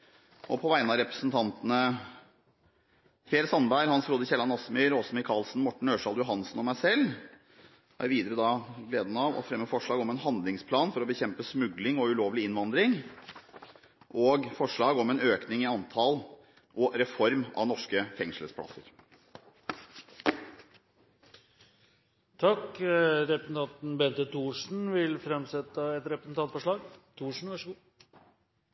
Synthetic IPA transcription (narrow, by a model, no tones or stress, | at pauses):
ʔɔpʰɔʋæɪnɑɾɛpɾəsnt̪ʰɑnt̪ənə | fɾeːɾɪsɑnbæɪɾhɑnsɾuːd̪əçɛlːɑnɑsmœʏɾɔsɔmɪkʰɑlsn̩mɔʈːɳ̩øːʂɑːld̪jʊɦɑnsn̩ɔmæɪsɛlː | hɑɾʋiːd̪əɾəd̪ɑɡleːd̪nɑʋɔ̰fɾɛmːəfɔʂɭɑːɡɔmɛnɦɑnd̪lɪŋspʰlɑːnfɔɾɔbəçɛmpəsmʉɡlɪŋɔʉloːʋəlɪɪnʋɑnd̪ɾɪŋ | ʔɔːɡfɔʂɭɑːɡɔmɛnøːknɪŋɪɑnt̪ʰɑl | ʔɔɾɛfɔɾmɑ̰ʋnɔʂkəfɛŋʂləspʰlɑ̰sə̰ɾ | t̪ʰɑkɾɛpɾəsnt̪ʰɑnt̪n̩bɛnt̪ət̪ʰuːʂn̩ʋɪlfɾɛmsɛt̪ːəɛt̪ɾɛpɾəsn̩t̪ɑnt̪fɔʂɭɑːɡt̪ʰuːʂɳn̩ʋɑʂɡu